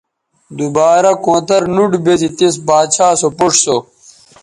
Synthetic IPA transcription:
d̪ubaːɾɐkõːt̪ɐɾnuɖbet̪it̪isbaːt͡ɕʰaːsopoʂso

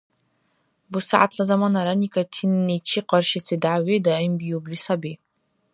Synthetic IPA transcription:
busaʕa̰t̪ʰlazamanaɾanikʰʼatʰinːit͡ʃʰiqɑrʃisidʕawedaimbijublisabi

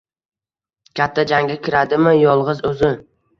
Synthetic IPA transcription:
kʲʰat̪ʰːad͡ʒaŋɡʲakʲʰɪɾad̪ɪmɪjɒlˠʁɨzɵzɪ

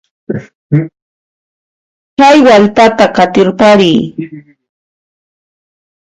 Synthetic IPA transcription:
t͡ʃajwalpat̪akat̪ɪɾpaɾiː

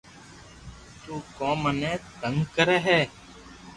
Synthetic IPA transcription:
t̪uːkoːmənẽːt̪əŋɡkəɾeːɦɛː

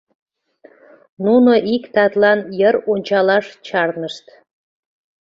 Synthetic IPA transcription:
nunoʔikt̪ɑt̪lɑnjəɾonʲt͡ɕɑlɑʃt͡ɕɑrnəʃt̪

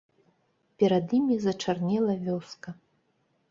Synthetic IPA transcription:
pʲɛɾɐd̪jimʲizɐt͡ʂarnʲɛlˠɐvʲɔskɐ

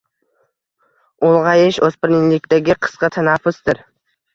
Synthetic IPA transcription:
olˠʁɑjɪʃɵspɪɾnɪlɪkʲt̪aɡʲɪqʰɨ̥sqɑt̪ʰanafʊsd̪ɪɾ

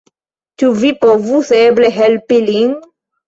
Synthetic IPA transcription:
t̪uvipovuθebleɦɛlpiliŋ

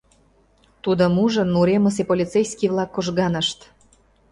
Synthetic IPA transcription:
t̪ud̪omuʒənːuɾeməs̬epolʲit̪t͡sejskiβlɑkːoʒɣɑnəʃt̪

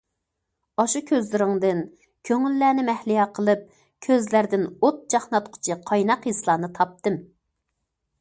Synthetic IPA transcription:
ɑʃukʲʰøzlɪɾɪŋd̪ɨn | kʲʰøŋylːæːnɪmɛhlijɑqʰəlˠɨp̚ | kʲʰøzlæɾd̪ɪnot̪̚d͡ʒɑχnɑt̪qʰʊ̥t͡ʃʰɨqʰɑjnɑqjislˠɑːnɨt̪ʰɑp̚t̪ɨm

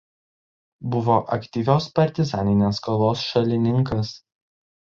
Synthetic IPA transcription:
bʊʋoːʔɐkt̪ʲiːʋʲoːspɐɾʲt̪ʲɪzɑːnʲɪnʲeːskɐlˠoːsʃɐlʲɪnʲɪŋkɐs

